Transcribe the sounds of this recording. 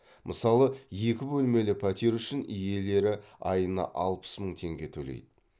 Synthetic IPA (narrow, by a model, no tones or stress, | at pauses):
mʔəsɑlˠəje̞kʲɪbɵlme̞lɪpʰɑt̪iɾʏʃɪnije̞le̞ɾɪɑjənɑ̰ʔɑlˠpə̥sməɴt̪ʰe̞ŋɡʲe̞t̪ʰɵlḛjd̪ɪ